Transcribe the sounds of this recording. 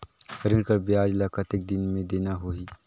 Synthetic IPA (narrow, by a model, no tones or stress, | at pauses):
həɾɪnkəɾbiaːd͡ʒlaːkət̪ɪk̚d̪ɪnmẽd̪eːnaɦoiː